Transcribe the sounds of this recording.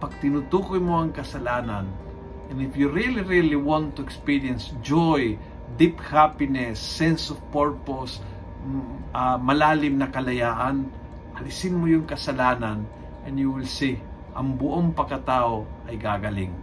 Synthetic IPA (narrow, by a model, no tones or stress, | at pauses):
pɐɡ̚t̪ɪnut̪uːkojmoɐŋkɐsɐlaːnan | ʔɛ̃nɪfjuɾiliɹiliwɔ̃nt̪ːʊɛkspiɹiɛnsd͡ʒoj | d̪iphapɪnɛsːɛnsɔvpoɹpos | amɐlaːlɪmnɐkɐlɐjaːʔɐn | ʔɐlsɪnmojʊŋkɐsɐlaːnan | ʔɛ̃njuwɪlsɪ | ʔɐŋbʊʔoŋpɐkɐt̪aːʔoʔɐjɡaɡɐlɪ̰ŋ